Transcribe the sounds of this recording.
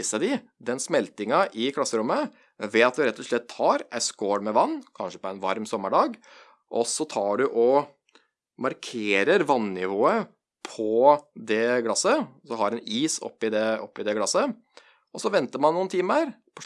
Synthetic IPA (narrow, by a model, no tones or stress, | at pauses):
səd̪ɪ | d̪ɛnsmɛlt̪ɪŋɑʔɪkʰlɑsːəɾʊmːə | ʋɛɑt̪̚d̪ʉɾɛt̪ːɔʂɭɛt̪ʰːɑːɾʔæskoːɽmɛʋɑnːkʰɑnʂəpɔɛnʋɑɾmsɔmːəɖɑːɡ | ʔɔsɔt̪ʰɑːɖʉʔɔ | mɑɾkʰeːɾəɾʋɑnːɪʋoːə | pʰɔd̪ɛɡlɑsəsɔɦɑɾɛniːsɔ̰pːɪd̪ɛɔ̰pːɪd̪ɛɡlɑsə | ɔsɔʋɛnt̪əɾmɑnːuːnt̪ʰiːməɾpʰɔ